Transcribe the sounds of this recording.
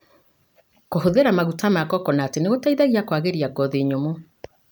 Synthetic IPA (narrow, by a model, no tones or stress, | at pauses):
koɦoðeɾamaɣutamakɔkɔnaːteneɣotaiðaɣiakwaɣeɾiaɡɔðeɲomo